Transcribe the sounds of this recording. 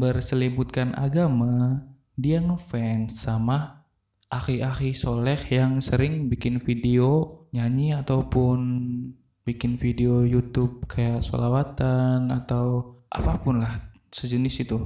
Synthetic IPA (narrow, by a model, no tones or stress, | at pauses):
bərsəlibut̪̚kanʔa̰ɡama | diaŋəfɛnsama | ʔakiaxisolɛkjaŋsəɾɪŋbikɪnfideoɲaɲiat̪awpʊn | bikɪnfideojut̪ʊb̚kʰajaʔso̰lawat̪anat̪awʔa̰papʊnlah | səd͡ʒənɪsit̪u